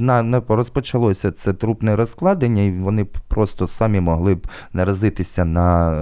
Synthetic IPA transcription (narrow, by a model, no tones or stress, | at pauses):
nɑnɛrɔspɔt͡ʃɐlˠɔsʲɐt̪sɛt̪ɾupnɛɾɔsklˠɑd̪enʲːɐiʋɔnɪpɾɔst̪ɔsɑmʲimɔɦlˠɪbnɐɾɐzɪt̪ɪsʲɐnɐ